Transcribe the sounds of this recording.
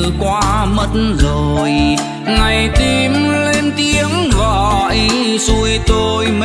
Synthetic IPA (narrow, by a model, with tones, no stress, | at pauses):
kwaː˧˦mə˧t̚nzo˨˩j | ŋa˨˩jt̪i˧˩mle˧mt̪i˧əŋɣɔ̰˧˩ʔjsu˧əjt̪o˧jm